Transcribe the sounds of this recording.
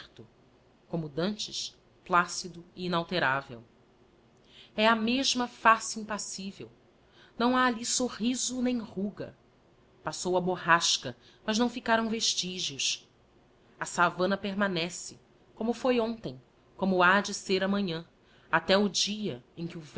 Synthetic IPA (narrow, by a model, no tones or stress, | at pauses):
t̪ʊ | kõmʊd̪ɐ̃nt͡ʃɪʃ | plasid̪ʊiinawt̪eɾavḛw | ɛɐmeʒmɐfasɪĩpasivḛw | nɐ̃w̃aːlisoʁizʊnẽj̃ʁuɡɐ̰ | pasowɐboɦaʃkɐ | mɐʒnɐ̃w̃fikaɾɐ̃w̃veʃt͡ʃiʒiʊʃ | ɐsavɐ̃nɐpeɾmanɛsɪ | kõmʊfojõnt̪ẽj̃ | kõmʊad͡ʒɪseɾɐmɐ̃ɲɐ̃ | at̪ɛʊd͡ʒiɐẽkɪʊv